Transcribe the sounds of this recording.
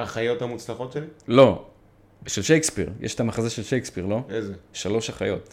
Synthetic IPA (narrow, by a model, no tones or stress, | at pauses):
aχajo̞thamut͡slaχo̞tʃelilo̞ | ʃelʃejkspiʁjʔɛ̰ʃt̪amaχazeʃelʃejkspiʁlo̞ezeʃalo̞ʃhaχajo̞t̪